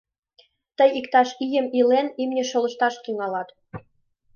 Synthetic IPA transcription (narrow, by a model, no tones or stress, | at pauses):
t̪əjikt̪ɑʃijə̆milenimnʲĕʃɤ̆lɤ̆ʃt̪ɑʃt̪yŋɑlɑt̪